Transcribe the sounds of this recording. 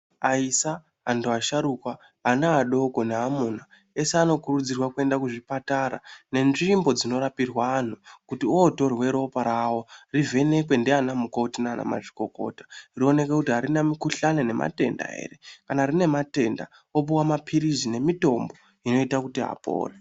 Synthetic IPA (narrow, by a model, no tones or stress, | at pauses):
aisa | antuaʃaɾukwaː | naːɗo̞ko̞neɦamuna | e̞seano̞kurud͡zirwakue̞ndakuʐipataɾa̰ne̞nʐimbo̞d͡zino̞rapirwaːn̤ukutioto̞rwe̞ɾopaɾawo̞rive̞ne̞kwe̞ndeanamukotinaːna̰ma̰ʐiko̞ko̰tḁrio̞ne̞ke̞kutiɦaɾinamikuɬanene̞mʔa̰te̞̰nda̰ɦḛɾe̞kanarine̞mate̞nda̰ | opuwamapʰiɾizine̞mito̞mbo̞ | ino̞itakutiɦa̰po̰ːre